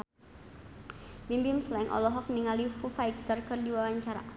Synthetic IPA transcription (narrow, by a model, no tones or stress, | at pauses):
bimbimslaŋʔɔ̰lɔɦɔk̚niŋalifufaik̚d̪arkərdiwawaɲt͡ʃaɾa̰